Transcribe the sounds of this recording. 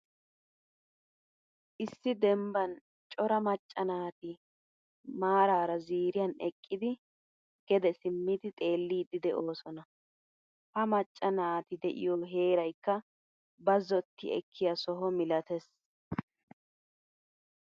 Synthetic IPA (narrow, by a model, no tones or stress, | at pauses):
ʔɪsːɪd̪ɛmbɐn | t͡ʃʼɔɾɐmɐt͡ʃʼːɐnaːt̪ɪ | maːɾaːɾɐziːɾɪjɐnɛkʼːɪd̪ɪ | ɡ̥ɛd̪ɛsɪmːɪd̪ɪt̪ʼe̞ːlːiːd̪ɪd̪ɛʔo̞ːsɔnɐ | hɐmɐt͡ʃʼːɐnaːt̪ɪd̪ɛʔɪ̰jɔɦe̞ːɾɐjkːɐ | bɐzɔt̪ːɪ̰ɛ̰kʰːɪjɐsɔɦɔmɪlɐt̪ɛs